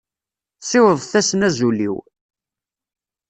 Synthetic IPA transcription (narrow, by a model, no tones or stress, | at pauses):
sɪwəðˤθæsənæzulḭw